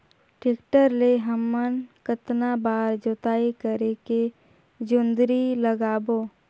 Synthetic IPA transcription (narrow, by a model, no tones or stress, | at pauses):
ʈɪkʈəɾleɦəmːənkət̪nabaːɾd͡ʒot̪aːekəɾeke | d͡ʒʊnd̪ɾiləɡaːboː